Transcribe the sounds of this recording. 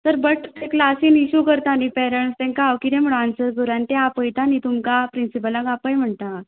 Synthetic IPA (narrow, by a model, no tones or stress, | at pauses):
t̪əɾbəʈt̪eklasiːniɕuːkəɾt̪aːnipɛɾəɳst̪ɛ̃ŋkaːʋkiɾẽm̤əɽansəɾd͡z̪uɾãnt̪eapəjt̪anit̪umkapɾinsipəlãɡapə̃jm̤əɳt̪a